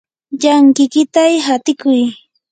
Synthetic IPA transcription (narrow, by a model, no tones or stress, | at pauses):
ʎaŋkɪkɪt̪ajɦat̪ɪkʊj